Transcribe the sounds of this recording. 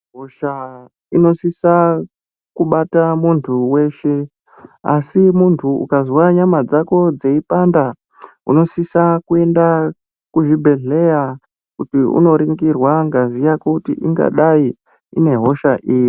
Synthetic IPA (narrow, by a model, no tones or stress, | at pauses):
ɦoʃa | ino̞sisa | kuɓatamuntʰuwe̞ʃe | a̰simuntʰuṵkaziwaɲamad͡zako̞d͡ze̞ipanda | ṵno̞sisakue̞nda | kuʐibʱe̞ɮe̞ja | kutiṵno̞ɾiŋɡirwaŋɡazijakutḭʔiŋɡa̰ɗai | ine̞ɦo̞ʃaʔiːji